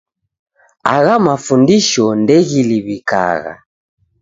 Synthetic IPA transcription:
aɣamafundiʃɔndɛɣiliβika̰ɣa̰

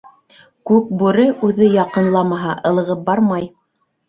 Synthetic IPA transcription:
kʉk̚bʉɾɘʔʉðɘjɑqɤ̆nlˠɑmɑɦɑʔɤ̆lˠɤ̆ʁɤp̚bɑɾmɑj

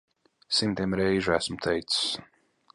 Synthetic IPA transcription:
simt̪iɛmɾɛjʒæsmt̪ʰɛjt̪ss

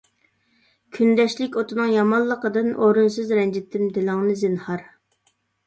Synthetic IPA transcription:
kʲʰynd̪ɛʃlɪkʲot̪ʰɨnɨŋjɑmɑlˠːəqəd̪ɨnʔoɾunsɨzɾɛnd͡ʒɪt̪ʰːɪmd̪ɪlɪŋnɨzɪnhɑɾ

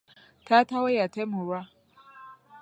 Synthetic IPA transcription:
tatawajatɛmuɾa

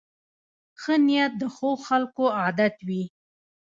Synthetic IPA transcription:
xənijat̪̚d̪əxoɣxalkoɑd̪at̪wi

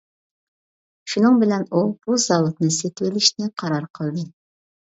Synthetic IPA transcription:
ʃunɨŋbɪlɛnub̥uzɑwʊt̪nɨset̪ɪwɪlɪʃnɪqʰɑɾɑɾqʰəlˠd̪ɨ

